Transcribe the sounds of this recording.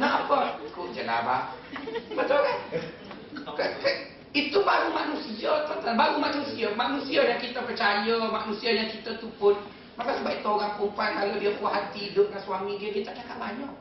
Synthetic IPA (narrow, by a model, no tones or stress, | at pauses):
napəkoʔd͡ʒəla̰ba̰ | mət̪ɔkan | kəkə | it̪ubaɾumanusiət̪ɔt̪abaɾumaʔnusiəmanusiəjaŋkit̪əpərt͡ʃajəmaʔnusiəjaŋkit̪ət̪upʊn | makasəbaʔit̪əoɣaŋkumpankalodiəpuwaɦat̪iːdʊʔ̚ɡaŋswamiɡiəɡit͡ʃaʔ̚t͡ʃakaʔbaɲɔʔ